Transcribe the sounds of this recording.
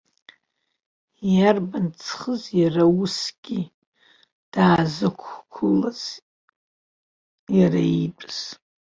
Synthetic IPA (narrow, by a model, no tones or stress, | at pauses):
jarbant͡sʰχəzjarausɡ̥ʲi | d̥aːzɨkʷʰkʷʰulaz̥ | jaraipʷʼz̥